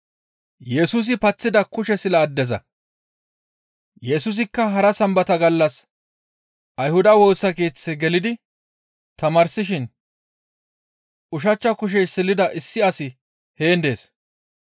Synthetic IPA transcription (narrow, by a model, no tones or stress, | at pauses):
jɛsʊs̬ɪpɐt͡sːɪd̪ɐkʊʃɛsɪlɐːd̪ːɛzɐ̰ | jɛsʊs̬ɪkːɐɦɐɾɐsɐmbɐt̪ɐɡɐlːɐs | ɐjhʊd̪ɐwo̞ːsːɐke̞ːt͡sːɛɡɛlɪd̪ɪ | t̪ɐmɐɾsɪʃɪn | ʊʃ̬ɐt͡ʃːɐkʊʃ̬ɛjsɪlːɪd̪ɐʔɪsːɪɐsɪ | he̞ːnd̪e̞ːs